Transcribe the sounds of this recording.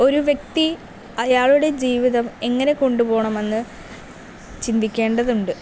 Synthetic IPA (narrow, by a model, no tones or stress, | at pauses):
o̞ɾuʋje̞k̚t̪i | ɐjaːɭuɽe̞d͡ʑiːʋiðɐme̞ŋːɐne̞ko̞ɳɖupo̞ːɳɐmenːɨ | t͡ɕind̪ikʲːe̞ːɳɖɐðuɳɖɨ